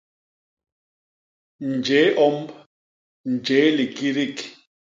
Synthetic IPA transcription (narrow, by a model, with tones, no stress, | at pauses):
n̩˨d͡ʒe˨˦ʔɔ˦mb | n̩˨d͡ʒe˨˦li˨ki˦ɾi˦˨k